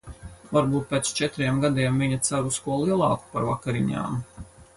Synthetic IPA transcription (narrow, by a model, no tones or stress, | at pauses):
vaɾbuːt̪̚pʲeːt̪st͡ʃɛt̪ɾiɛmɡad̪iɛmviɲat̪saɾuskuɔlˠiɛlˠɑːku̥paɾvakaɾiɲa̰ːm